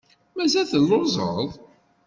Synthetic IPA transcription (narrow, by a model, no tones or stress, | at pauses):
mæzæθəlːozˤə̰ðˤ